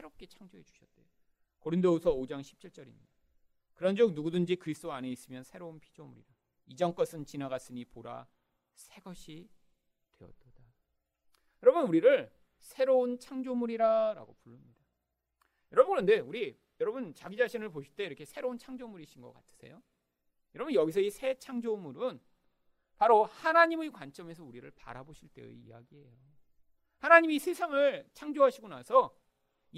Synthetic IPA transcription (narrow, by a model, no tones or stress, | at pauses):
sʰeɾʌp̚k͈e̞t͡ɕʰaŋd͡ʑoɦe̞d͡ʑu̥ɕʰʌt̚t͈e̞jo | koɾindousʰʌod͡ʑaŋɕʰip̚t͡ɕʰiɭt͡ɕ͈ʌɾḭmɲid̥a | kɯɾʌnd͡ʑok̚nuɡudɯnd͡ʑikɯɾisʰɯt͈oane̞is͈ɯmjʌnsʰe̞ɾounpʰi̥d͡ʑomuɾḭɾa | id͡ʑʌŋk͈ʌsʰɯnt͡ɕinaɡas͈ɯɲipoɾa̰ | sʰe̞ɡʌɕʰi | twe̞ʌ̰t͈oda | jʌɾʌbunuɾiɾɯɭ | sʰe̞ɾount͡ɕʰaŋd͡ʑomuɾiɾaɾa̰ɡopuɭːɯmɲid̥a | jʌɾʌbunɡɯɭʌnde̞uɾi | jʌɾʌbunt͡ɕaɡid͡ʑaɕʰinɯɭpoɕʰiɭt͈e̞iɾʌkʰe̞sʰe̞ɾount͡ɕʰaŋd͡ʑomuɾiɕʰinɡʌk͈atʰɯ̥sʰe̞̰jo | jʌɾʌbunjʌɡis̬ʰʌisʰe̞t͡ɕʰaŋd͡ʑomuɾɯn | paɾohanaɲimɯkwant͡ɕ͈ʌme̞sʰʌuɾiɾɯ̰ɭpa̰ɾaboɕʰiɭt͈e̞̰ḭjaɡiɦe̞jo | hanaɲimisʰesʰaŋɯɭt͡ɕʰaŋd͡ʑoɦaɕʰiɡona̰sʰʌ